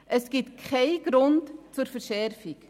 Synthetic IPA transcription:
ʔəsɡ̥ɪtkʰχɛɪɡ̥ɾʊntt͡suɾfəɾʃɛɾfik

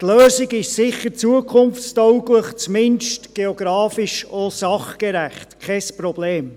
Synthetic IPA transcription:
tløːzɪɡɪʃsɪχəɾt͡suəkʰχʊmft͡stɔwɡləχt͡smɪnʃtɡ̥eoɡ̥ɾɑːfiʃosɑχkeɾæχtkʰɛspɾɔb̥leːm

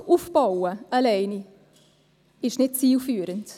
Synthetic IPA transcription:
ufb̥aʊwəalɛɪni | ɪʃnɪt̚t͡siːlfyːɾənt

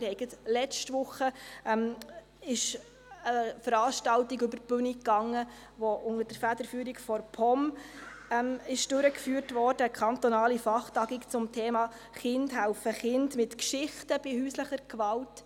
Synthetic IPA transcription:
ɾhɛɪɡətlɛt͡ʃtʋʊχəɛm | ɪʃ | əfəɾɑːʃtɑltiɡʏbəɾb̥ʉnikːɑŋːə | ʋɔʔʊŋəd̥əɾfæd̥əɾfyːɾikfɔɾpʰɔm | ɛmɪʃd̥ʉɾəkfyːrtʋɔːrd̥əːkʰɑnt̪ɔnɑːlifɑχtɑɡikt͡sʊmtʰeːmɑː | χɪndɦælfəχɪndmɪtkʃɪχtəb̥ihyːsləχəɾkʋɑlt

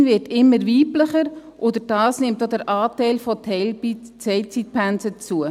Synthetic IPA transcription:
nvɪtɪmːəɾviːpləχəɾʔodəɾd̥ɑːsnɪmtodəɾʔɑːtɛɪlfɔtʰ | t͡sɛɪlt͡sit̚pʰænt͡sət͡suə

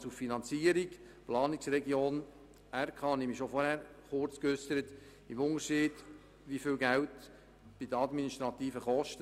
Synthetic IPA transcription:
suffinɑnt͡siəɾiɡ | plɑːniksɾɛɡioːn | æɾkʰɑnimiʃofɔɾhæɾχʊɾt͡skʏsəɾət̪ | ɪmʊnəɾʃiːd̥ | ʋifɪlɡæwt | b̥idəɑdminiʃt̪ɾɑt̪iːfəχɔʃtə

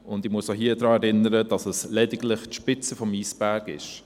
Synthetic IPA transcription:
ʊndɪmuəsoɦiːədɾɑːɛɾɪnəɾədɑsəslɛdɪɡlɪχtʃpɪt͡səfɔmiːsb̥æɾɡɪ̰ʃ

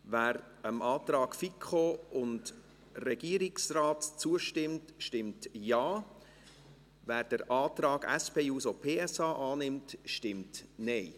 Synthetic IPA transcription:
væːɾ | əmʔɑːt̪ɾɑːɡ̥fikʰχoʊnd | rɛɡ̥iəɾɪksraːtt͡suəʃtɪmtʃtɪmtjɑː | væːɾd̥əɾʔɑːtɾɑːɡɛ̰spʰeːjuːsopʰeːɛsɑːʔɑːnɪmtʃtɪmtnɛɪ

